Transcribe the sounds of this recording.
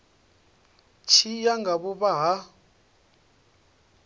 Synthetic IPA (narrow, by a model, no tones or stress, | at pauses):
t͡ʃʰijaŋɡaβuβaɦa